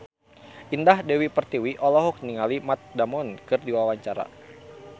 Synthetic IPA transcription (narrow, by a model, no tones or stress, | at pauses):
ʔindahdɛwipərt̪iwiʔɔlɔɦɔk̚niŋalimat̪̚damɔnkɨrdiwawaɲt͡ʃaɾa̰